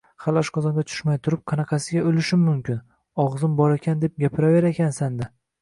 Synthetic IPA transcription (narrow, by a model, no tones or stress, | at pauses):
χalˠɒʃqʰɒzɒŋɡʲat͡ʃʰʊ̥ʃmajt̪ʰʊɾɪp̚qʰɑnɑqʰɑsɪɡʲaɵlɪʃɪmːʊmkʲɪn | ɒʁzɪmbɒɾekʲʰand̪e̞p̚ɡʲapʰɪɾave̞ɾekʲʰansand̪ɪ